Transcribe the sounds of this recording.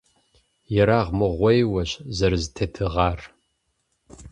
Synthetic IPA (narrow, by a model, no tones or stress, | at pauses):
jɛɾaːʁmɨʁʷɔjwɐɕzɐrɨztʰetʰɨʁɑːr